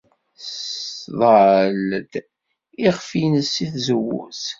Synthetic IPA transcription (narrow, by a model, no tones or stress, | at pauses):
sðˤəʕəld̪ | iʁfinəsːiθzəwːṵs